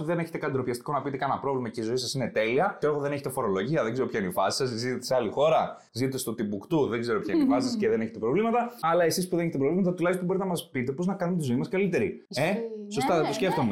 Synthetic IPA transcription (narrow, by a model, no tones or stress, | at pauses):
ðe̞ne̞çe̞t̪e̞kɐd̪ɾo̞pçɐst̪i̥ko̞nɐpit̪e̞kɐnɐpɾo̞vlimɐce̞izo̞isɐsine̞t̪e̞liɐtoexoðe̞ne̞çe̞t̪efo̞ɾo̞lo̞ʝiɐðeɡzeopçɐinifɐsi̥sɐszit̪et̪eseɐlixo̞ɾɐ | zit̪et̪est̪ot̪ibukt̪uðe̞ɡze̞ɾo̞pçaɐinifɐsisɐsceðe̞ne̞çet̪e̞pɾo̞vlimɐt̪ɐɐlɐe̞sispuðeneçet̪epɾo̞vlimɐt̪ɐt̪ulɐçstobo̞ɾit̪enɐmɐspit̪e̞po̞znɐkɐnunt̪izo̞imɐskɐlit̪e̞ɾieso̞st̪ɐet̪o̞sceft̪o̞me